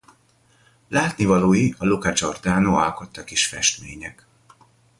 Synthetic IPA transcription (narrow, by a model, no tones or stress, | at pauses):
laːt̪nivɒloːjiɒlukad͡ʒo̞rd̪aːnoɒ̰lko̞t̪ːɒkiʃfɛ̰ʃt̪mḛːɲɛk